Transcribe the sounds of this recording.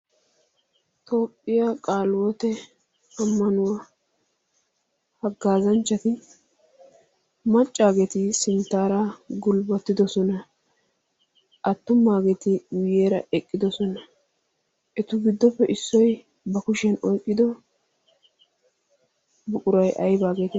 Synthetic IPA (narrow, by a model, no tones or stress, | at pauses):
t̪o̞ːpʼːɪjakʼaːlwɔt̪ɛ | ɐmːɐnʊwɐ | hɐɡːaːzɐnt͡ʃːɐt̪ɪ | mɐt͡ʃʼːaːɡɛt̪ɪsɪnt̪ːaːɾaɡʊlbɐt̪ːɪd̪ɔsɔnɐ | ʔɐt̪ːʊmːaːɡɛt̪ɪwɪjeːɾɐ̰ʔɛkʼːɪd̪ɔsɔnɐ | ʔɛt̪ʊɡɪd̪ːɔpːɛʔɪsːɔj | bɐkʊʃɛnɔjkʼːɪd̪ɔ | bʊkʼʊɾɐjʔɐjbaːɡeːt̪ɪ